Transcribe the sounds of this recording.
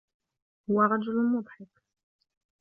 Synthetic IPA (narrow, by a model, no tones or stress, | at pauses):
hʊwːæɾˤɑd͡ʒʊllmʊd̪ˤħɪf